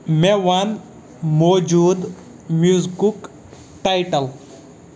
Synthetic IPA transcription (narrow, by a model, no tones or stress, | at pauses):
meʋɐn | mod͡ʒud̪ | muzkuk | ʈajʈɐl